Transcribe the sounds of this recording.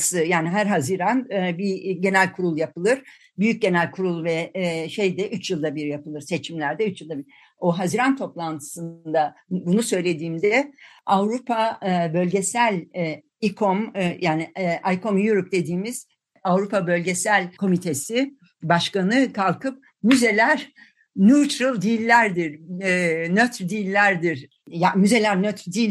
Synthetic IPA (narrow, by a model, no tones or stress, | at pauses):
sɯjaːniɦæɾɦaziɾanbiɟe̞nælʲkʰuɾulˠjapɯlˠɯɾ̥ | byjyc̚ɟe̞nælʲkʰuɾulˠvɛʃe̞jd̪ɛʔyt͡ʃjɯlˠd̪abiɾjapɯlˠɯɾset͡ʃʰimlʲæɾd̪ɛyt͡ʃjɯlˠd̪abiɾ | oɦaziɾant̪ʰo̞plˠant̪ʰɯ̥sɯnd̪abunusø̞jlʲe̞d̪iːmd̪ɛavɾupʰabølʲɟesælʲ | ikʰomjʔaːniʔajkʰomjuɾup̚d̪e̞d̪iːmiz̥ | avɾupʰabø̞lʲɟe̞sælʲkʰo̞mit̪ʰe̞si | baʃkanɯkʰalˠkɯp̚ | myze̞lʲæɾ | nut͡ʃɾɯlˠd̪ilʲːæɾd̪iɾ | nøt̪ɾd̪ilʲːæɾd̪iɾ̥ | jamyze̞lʲæɾnøt̪ɾd̪ilʲ